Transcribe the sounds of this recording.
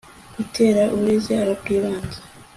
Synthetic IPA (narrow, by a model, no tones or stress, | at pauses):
ɡ̥utʰe̞ːɾaʔuβɾezaːɾob̚ɡiːβaːnze̥